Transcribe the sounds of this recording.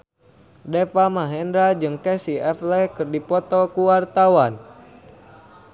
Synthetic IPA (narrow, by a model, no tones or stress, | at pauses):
dɛfamaɦɛndɾad͡ʒɨŋkɛsiɛflɛkɨrdipɔt̪ɔkuwart̪awan